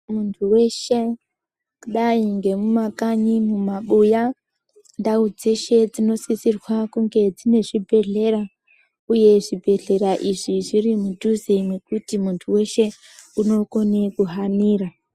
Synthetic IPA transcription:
muntʰuwe̞ʃe̞ | kuɗaiŋɡe̞mumakaɲimumaɓuja | ndaud͡ze̞ʃe̞d͡zino̞sisirwakuŋɡe̞d͡zine̞ʐibʱe̞ɮe̞ɾa | uje̞ʐibʱe̞ɮe̞ɾaʔiʐiʐirimudʱuzemwe̞kutimuntʰuwe̞ʃe̞ | uno̞ko̞ne̞kuɦaniːra

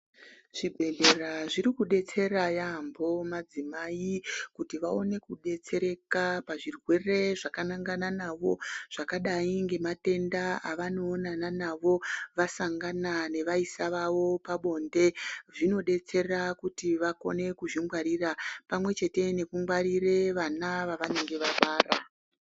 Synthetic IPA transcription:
ʐ̥ibʱe̞ɮe̞raʐiɾikuɗe̞t͡se̞ɾajaːmbo̞mad͡zimaikutiʋao̞ne̞kuɗe̞t͡se̞ɾe̞kapaʐirwe̞re̞ʐakanaŋɡananaʋo̞ʐ̥akaɗaiŋɡe̞mate̞ndaaʋano̞ːnananaʋo̞ʋasaŋɡanane̞ʋaisaʋaʋo̞paɓo̞nde̞ʐino̞ɗe̞t͡se̞rakutiʋako̞̰ne̞kuʐiŋɡwaɾiːrapamwe̞t͡ʃe̞te̞ne̞kuŋɡwaɾire̞ʋanaʋaʋaneŋɡe̞ʋaɓaːra

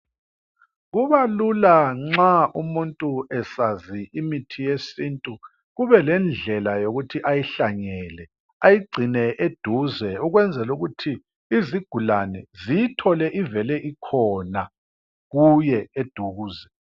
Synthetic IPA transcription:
ɣuβalulaŋ͡ǁaʔumuntʼuɛsaziimitʰijesintʼu | ɣuβɛlɛnd͡ɮʱɛlajoɣutʰiʔajiɬaɲɛlɛ | ajiɡ͡ǀʱinɛʔed̥ʱuzɛuɣwɛnd͡zʱɛluɣutʰiː | ziɡ̥ʱulanɛzijitʰɔlɛʔivɛlɛʔikʰɔna | ɣujɛed̥ʱuɣuːzɛ

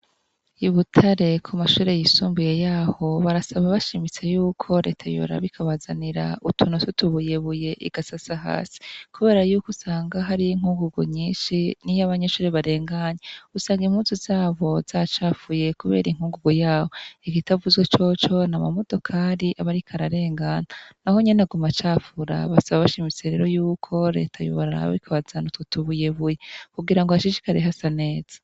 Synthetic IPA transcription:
iβutʰaɾe̞kʰumaʃuːɾe̞jisuːmbuje̞jaːho̞βaɾasaβaβaʃimit͡se̞juːkʰo̞ɾe̞̰ːtʰajo̰ɾa̰βikʰaβazaniɾa̰utʰunututuβuje̞βuje̞ʔḭɡ̥asasaɦa̰ːsi̥kuβe̞ːɾajuːkusaːŋɡaɦaɾijiŋ̥huːŋɡuɡo̰ɲiːʃinijaβaɲe̞ʃuːɾe̞βaɾe̞ːŋɡaɲeusaːŋɡim̥uːnzuzaːβo̞z̥at͡ʃaːfuje̞kuβe̞̰ɾiŋ̥huːŋɡuɡojaːβoikitavuzwet͡ʃo̞t͡ʃo̞namamo̞do̞kʰaːɾiʔaβaɾikʰaɾaɾe̞ːŋɡananaho̞ɲenaɡumat͡ʃaːfuɾa̰βasaβaβaʃimit͡seɾe̞̰ɾo̞juːkʰo̞ɾe̞̰ːtʰajṵβaɾaɾa̰βḭkʰaβazanutotuβuje̞βujekuɡiɾaŋɡohaʃiʃikaɾeɦasane̞ːz̥ḁ

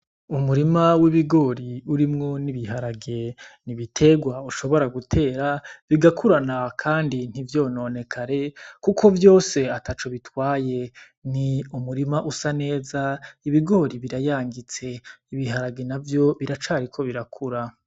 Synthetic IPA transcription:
umuɾimawiβiɡo̞ːɾiuɾimŋo̞niβiɦaɾaɡe̞niβitʰe̞ɡwauʃo̞βo̞ɾaɡutʰe̞ːɾaβiɡakʰuɾanakʰaːndin̥ivjo̞ːnoːne̞kʰaɾe̞kukʰo̞vjo̞ːse̞atat͡ʃoβitwaːje̞ | niumuɾimaʔusane̞ːzaiβiɡo̞ːɾiβiɾajaːŋɡit͡se̞iβiɦaɾaɡenavjo̞βiɾat͡ʃaːɾikʰo̞βiɾakʰuɾa

